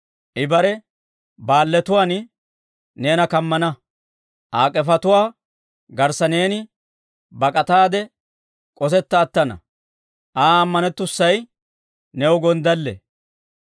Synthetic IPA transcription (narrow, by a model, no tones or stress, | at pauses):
ʔɪbɐɾɛ | baːlːɛt̪ʊwaːn | ne̞ːnɐkɐmːɐnɐ | ʔaːkʼːɛfɐt̪ʊwaː | ɡɐɾsɐne̞ːnɪ | bɐkʼɐt̪aːd̪ɛ | kʼɔsɛt̪ːɐːt̪ːɐnɐ̰ | ʔaːɐmːɐnɛt̪ːʊsːɐj | nɛʊɡɔnd̪ɐlːɛ̰